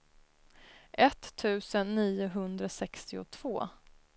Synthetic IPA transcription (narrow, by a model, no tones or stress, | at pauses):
ʔɛt̪ʰːʉ̟ːsənːiːʊɦɵnd̪ɾasɛkst̪ɪʊ̰t̪ʰv̥oː